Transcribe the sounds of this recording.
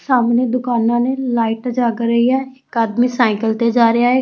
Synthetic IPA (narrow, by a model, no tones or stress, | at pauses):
saːmneːd̪ʊkaːnãːnelaːɪʈd͡ʒaːkəɾiaːɪkaːd̪miːsaːɪkəlt̪ed͡ʒaːɾəjaːɦeː